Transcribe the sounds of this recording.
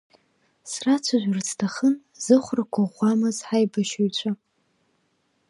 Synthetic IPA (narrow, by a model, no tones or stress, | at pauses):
srat͡sʷʰaʒᶣʷarztʰaχən | z̥ɨχʷrakʷʰaʁʷamɨzħajbaʃaɥt͡ɕʷʰa